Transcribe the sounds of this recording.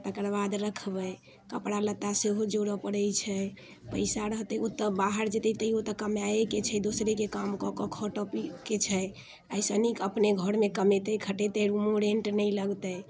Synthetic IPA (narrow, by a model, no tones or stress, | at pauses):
t̪əkəɾbad̪ɾəkʰbəj | kəpɽalət̪ːaseɦod͡ʒoɽəpəɽəjt͡ʃʰɛ | pəɪsaɾəɦt̪ɛut̪əbaɦəɾd͡ʒet̪ɛt̪əiot̪əkəmjajeket͡ʃʰɛd̪osɾekekamkɔkɔkʰɔʈəpiket͡ʃʰɛ | əjsənikəpneɡʱɔɾmekəmet̪ɛkʰəʈet̪ɛɾumoɾeɳʈnəjləɡt̪əj